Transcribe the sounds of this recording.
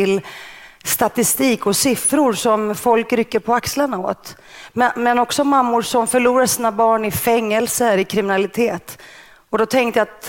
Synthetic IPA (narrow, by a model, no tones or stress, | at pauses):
ɪlst̪at̪ɪst̪iːkɔsɪfɾʊɾsɔmfɔlkɾʏkːəɾpʰɔakslaɳao̰ːt̪ | mmɛnɔksɔmamːʊɾʂɔmfœɭuːɾaʂiːnabɑːɳɪfɛŋːɛlsəɾɪkʰɾɪmɪnalɪt̪ʰeːt̪ | ɔd̪ɔt̪ʰɛŋkt̪əjaːt̪